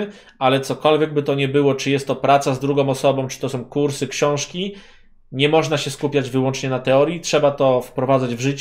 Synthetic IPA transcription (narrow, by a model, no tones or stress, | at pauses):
alɛt̪sɔkɔlvʲjɛɡ̚bɘt̪ɔɲɛbɘwɔt͡ʂɘjɛst̪ːɔpɾat̪sazd̪ɾuɡɔ̃w̃ɔsɔbɔ̃w̃t͡ʂɘ̥t̪ɔsɔ̃w̃kuɾsɘkɕɔ̃w̃ʂkʲi | ɲɛmɔʐnaɕɛskupʲjad͡ʑvɘwɔnt͡ʂɲɛnat̪ɛɔɾjitʂɛbat̪ɔfpɾɔvad̪zad͡ʑvʐɘt͡ɕ